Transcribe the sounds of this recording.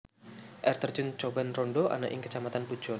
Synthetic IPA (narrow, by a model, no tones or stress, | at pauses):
ʔɛrt̪ərd͡ʒʊnt͡ʃɔbɛnrɔnɖoʔa̰na̰ʔɪ̰ŋkət͡ʃamat̪anpud̥d͡ʒ̥ɔn